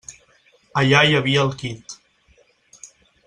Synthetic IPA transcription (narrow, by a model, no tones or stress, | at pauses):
əʎajəβiəːlˠkit̪